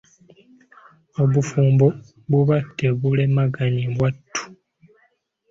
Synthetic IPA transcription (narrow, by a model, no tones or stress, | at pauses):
o̞βufuːmbo | βuβatːeβulemaɡaɲimβwatːu̥